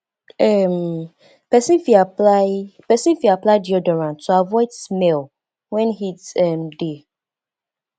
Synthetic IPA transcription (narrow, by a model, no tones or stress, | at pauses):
ɛm | pɛsĩnfiaapɛsĩnfiaplaɪdiɔdɔɹãntʰoavɔɪdsmɛl | wɛ̃nhitɛmde